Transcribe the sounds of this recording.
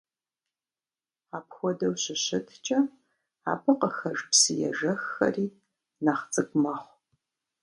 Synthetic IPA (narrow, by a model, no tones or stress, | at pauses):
aːpxʷɔdɐwɕɪɕɐtʰt͡ʃʼɐ | a̰ːbɨqəxɐʐpsɨjɛ̰ʒɐxːɐ̰riː | naːχt͡sʼɨɡʷʼmɐχʷ